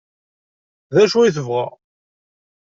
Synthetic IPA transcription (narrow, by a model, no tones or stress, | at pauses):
ðæʃuiθəvʁæ̰